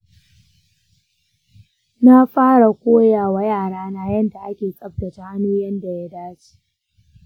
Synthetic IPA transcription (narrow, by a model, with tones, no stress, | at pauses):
na˦ɸaː˦ɽa˨kʷoː˦jaː˨wa˦jaː˦˨ɽaː˦naː˦jɐ˦nda˨ʔa˦kʲeː˨kʼɐ˦b̚dɐ˨ta˨˦ʔa˦noː˦jɐ˦nda˨ja˦daː˦t͡ʃi̥˦